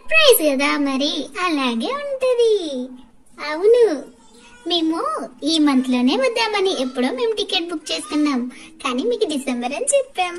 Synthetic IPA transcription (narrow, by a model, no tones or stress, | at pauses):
sɐɾpɾɐjskɐd̪aːmɐɾiɐlaːɡe̞ːuɳʈund̪i | ɐwunu | me̞ːmuiːmɐnt̪ilo̞ːne̞ːʋɐd̪ːaːmɐniʔepːuɽoːme̞ːmuʈike̞ʈ̚bukːt͡ʃe̞ːst̪unːaːmkaːnimiːkuɖisembɐɾɐnt͡ʃɛpːaːm